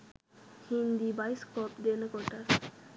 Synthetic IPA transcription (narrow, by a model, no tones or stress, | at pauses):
hind̪ibajskɔpd̪enəkɔʈas